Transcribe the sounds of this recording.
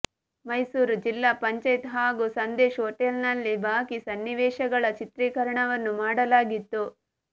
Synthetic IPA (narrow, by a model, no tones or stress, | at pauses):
mɐjsuːɾud͡ʒilːaːpɐɲt͡ʃɐjt̪ɦaːɡusɐnd̪eːʃoːʈelnɐlːibʱaːkisɐnːiʋɛːʃɐɡɐɭɐt͡ʃit̪ɾiːkɐɾɐɳɐʋɐnːumaːɽɐlaːɡit̪ːu